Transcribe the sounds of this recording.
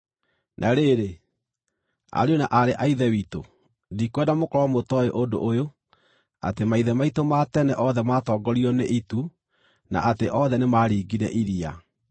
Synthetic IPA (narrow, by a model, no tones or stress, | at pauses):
nʔaɾeɾe | a̰ɾeonaʔaɾeʔaiðɛwiːto̰ | ndikwɛdamokɔɾɔmotɔeʔodo̰ʔojo | a̰temaiðɛmaitomatɛnɛʔɔðɛmatɔːɡɔɾiɔneʔitu | na̰ʔateʔɔðɛnemaːɾiːɡiɾɛʔiɾia